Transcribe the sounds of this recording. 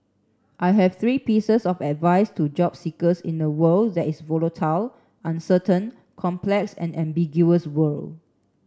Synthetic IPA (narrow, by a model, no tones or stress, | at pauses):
ʔajɦɛv̥θɹiːpisəsɔfɛtvaɪstud͡ʒɔpsikəsḭ̃ndəwəldɛtisvɔlətʰal | ʔãnsətə̃n | kʰɔ̃mplɛksɛ̰̃nɛ̃mbiɡjuəswəl